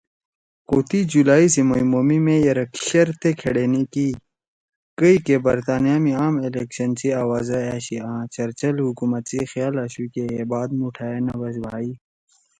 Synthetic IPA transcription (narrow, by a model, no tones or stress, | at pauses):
koːt̪id͡ʑulaːisimɐjmoːmimẽjɐɾɐkʰɕɐɾt̪ekʰeɽeːniki | kəikebɐɾt̪aːnijaːmiaːmelekɕɐnt͡ɕiaːwaːzɐɛːɕiãːt͡ɕɐɾt͡ɕɐlhukumɐt̪t͡sixijaːlɐɕukeebaːd̪muʈʰaːenɐwɐzbʱaːiː